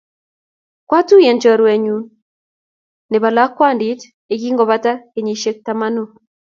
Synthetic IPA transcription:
kwa˦tu˦jɛ˨nt͡ʃɔ˨ɾwɛ˨ɲu˨n | ne˨ba˨la˦kːwa˦˨ndi˦t | e˨ki˦ŋɡɔ˨βa˦ta˦ke˨ɲi˨ʃe˦k̚ta˨ma˦nu˦

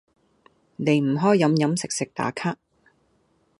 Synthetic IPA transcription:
ne˨˧jm̩˨˩ɦɔː˥jːɐ˨˥mjɐ˨˥msɪ˨k̚sɪ˨k̚t̪a̰ː˨˥kʰaː˥k̚

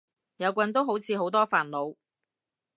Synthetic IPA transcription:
jɐ˨˧wkʷɐ˨˧˥nt̪o˥wɦo˨˥wt͡sʰiː˨˧ɦo˨˥wt̪ɔː˥faː˨˩nlo˨˧w

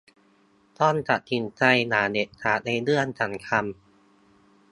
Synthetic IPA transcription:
t̪ɔː˧˥˩nt̪ʰa˨˩t̪̚ti˨˩˦nt͡ɕa˧jnaː˩˦ne˨˩t̪̚t̪ʰaː˨˩t̪̚na˧jlɯ˥˩ənsʰa˨˩˦ŋkʰa˧m

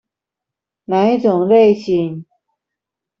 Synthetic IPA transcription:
na˧˥ɪt͡sʊ˨˩ŋle˥˩ɪɕi˨˩ŋ

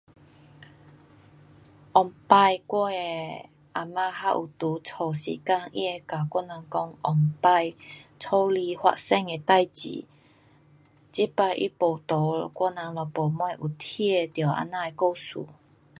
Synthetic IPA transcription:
ʔɔ˨˩ŋpa˧jkwɔ˥˧˩e˧ | ʔa˨˩mã˧ha˦˥ʔu˨t̪u˨˦t͡sʰɔ˨˩sḭː˨˦ka˧ŋḭ˦˥e˧ka˨kwɔ˧˥˦na˨˧ŋkɔ˧˥ŋʔɔ˨˩ŋpa˧jt͡sʰo˦li˧hwa̰˧sɛ˧ŋe˧t̪a˥˧˨jt͡ɕḭ˨ | t͡ɕi˦pa˧jʔḭ˦po˨˩t̪ɔ˨˦kwɔ˥˧˦nã˨˧˦ŋlɔ˨po˨mwa˧˩ʔu˨˩t̪ʰi˦e˥˧t̪jɔ˨˩ʔa̰˧˥na˧e˧ko˥˧sṵ˨˦

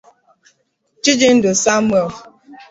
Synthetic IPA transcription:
t͡ʃɪ˦d͡ʒɪ˦n̩˦dʊ˨sa˦m˦ɛ˨l

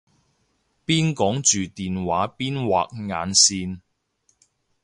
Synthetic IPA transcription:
piː˥nkɔː˨˥ŋt͡ʃyː˨t̪iː˨nwaː˨˥piː˥nwa̰ː˨k̚ŋa̰ː˨˧nsiː˧n

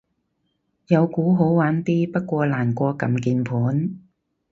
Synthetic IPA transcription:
jɐ˨˧wkuː˨˥ɦo˨˥wwaː˨˥nt̪iː˥pɐ˥t̚kʷɔː˧laː˨˩nkʷɔː˧kɐ˨mkiː˧npʰuː˨˥n

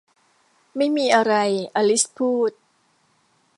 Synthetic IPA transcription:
ma˥˩jmiː˧ʔa˧ɾa˧jʔa˧li˦˥spʰuː˥˩t̪̚

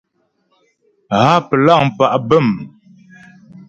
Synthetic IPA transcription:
ha˦pə˨la˦˨ŋ˨pa˨ʔbə˦˨m

